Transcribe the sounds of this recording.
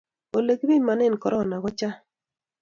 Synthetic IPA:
o˨le˨kbi˦ma˨nɪ˦˨nkɔ˨ɾɔ˦˨na˨ɡɔ˦t͡ʃa˦

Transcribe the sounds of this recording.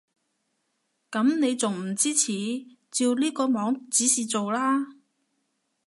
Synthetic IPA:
kɐ˨˥mne˨˧jt͡so˨ŋm̩˨˩t͡siː˥t͡sʰiː˨˧˥ | t͡siː˧wliː˥kɔː˧mɔː˨˧˥ŋt͡siː˨˥siː˨t͡so˨wlaː˥

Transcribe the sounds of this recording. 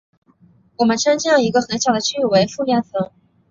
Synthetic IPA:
wɔ˨˩mə˦nʈ͡ʂʰɤ˥ŋt͡ɕjɑ˥˩i˧˥ɡə˧xə˧˥nɕjɑ˨˩ʊd̪ə˦t͡ɕʰy˥˩˨we˧˥ɪfu˥˩lja˥nt͡sʰɤ˧˥ŋ

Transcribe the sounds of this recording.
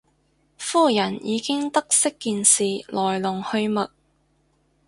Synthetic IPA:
fuː˥˩jɐ˨˩njiː˨˧kɪ˥ŋt̪ɐ˥k̚sɪ˥kːiː˧nsiː˨lʔɔː˨˩jlʊ˨˩ŋhɵ˧ɥmɐ˨t̚

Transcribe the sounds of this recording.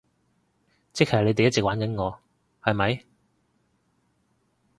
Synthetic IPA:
t͡sɪ˥k̚hɐ˨˩le˨˧jt̪e˨jɐ˥t̚t͡sɛ˨k̚waː˨˥nkɐ˨˥nŋɔː˨˧ | hɐ˨jmɐ˨˧˥j

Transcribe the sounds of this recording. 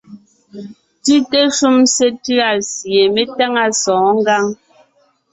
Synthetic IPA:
ti˦te˦ʃu˦mse˦tʉ˦a˨sje˨me˦ta˦ŋa˦sɔ̃ː˨˦ŋ˦ɡa˦ŋ

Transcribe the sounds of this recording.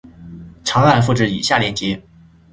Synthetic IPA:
ʈ͡ʂʰɑ˧˥ŋa˥˧nfu˥˧ʈ͡ʂɻ̩˥˩ḭ˨˩ɕja˥˩ljɛ˧˥nt͡ɕjɛ˧˥

